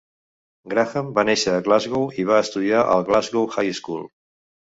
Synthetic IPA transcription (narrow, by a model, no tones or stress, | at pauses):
ɡɾaxəmbaneʃəːɣlazɣowiβ̞aəst̪uðiaʔə̰lˠɣlazɣowxajskṵlˠ